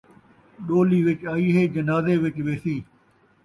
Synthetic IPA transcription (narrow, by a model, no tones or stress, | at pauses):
ɗoːliːʋɪt͡ʃaːiːɦeːd͡ʒənaːzeːʋɪt͡ʃʋeːsiː